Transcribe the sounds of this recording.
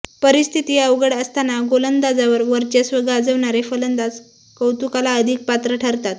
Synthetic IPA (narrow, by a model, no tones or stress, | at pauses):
pəɾist̪ʰit̪iːəʋɡəɽəst̪anaɡolənd̪ad͡zaʋəɾʋəɾt͡ɕasʋəɡaːd͡zəʋɳaɾefələnd̪ad͡z | kəwt̪ukalaəd̪ʱiːk̚pat̪ɾəʈʰəɾt̪at̪